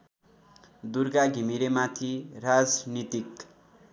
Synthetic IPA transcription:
d̪uɾɡaɡʱimiɾemat̪ʰirad͡znit̪ik

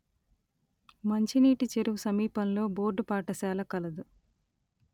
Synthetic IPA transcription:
mɐɲt͡ʃiniːʈit͡ʃeɾuʋusɐmiːpɐnlo̞ːbo̞ːɾɖupaːʈɐsaːlɐkɐlɐd̪u

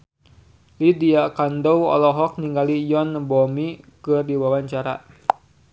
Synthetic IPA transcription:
lidiakandɔwɔ̰lɔɦɔk̚niŋɡalijɔnbɔmikɨrdiwawaɲt͡ʃaɾa̰

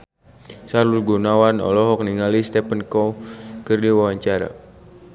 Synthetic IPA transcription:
saɾulɡunawanɔ̰lɔɦɔk̚niŋalist̪ɛpənkɔkɨrdiwawaɲt͡ʃaɾa̰

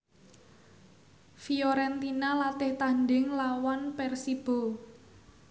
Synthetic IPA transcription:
fiɔɾɛnt̪inalat̪ɪht̪anɖɪŋlawanpɛrsib̥o̤

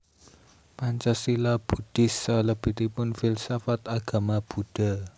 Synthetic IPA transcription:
maɲt͡ʃasilab̥ṳd̥ɪsːaləb̥i̤ht̪ipʊnfɪlsafat̪aɡ̥a̤mab̥uɖ̥a

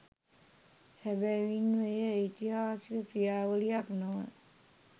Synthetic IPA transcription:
hæbɛʋinʋəjəːjt̪iɦaːsikəprijaːʋəlijaknomə

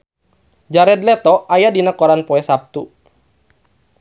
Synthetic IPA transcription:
d͡ʒaɾɛd̪lɛt̪ɔajadinakɔɾanpɔɛsap̚t̪u

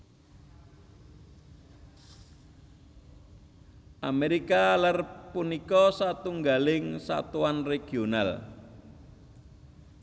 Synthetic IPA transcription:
ʔameɾikalarpunikɔsat̪uŋɡalɪŋsa̰t̪uwanreɡ̥ional

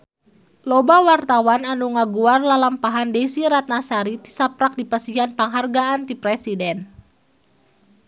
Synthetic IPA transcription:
lɔbawart̪awananuŋaɡuarlalampaɦandɛsiɾat̪̚nasaɾit̪i̥sapɾak̚dipasiɦanpaŋɦarɡaant̪ipɾɛsidɛn

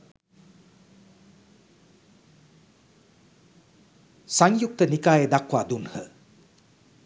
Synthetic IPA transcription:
saŋjuk̚t̪ənikaːjəd̪akwaːd̪unhə̰

